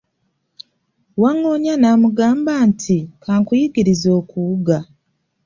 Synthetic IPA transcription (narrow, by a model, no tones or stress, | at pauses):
waŋːo̞ɲanaːmuɡaːmbaːntʰikʰaːŋkujiɡiɾizo̞ːkuɡa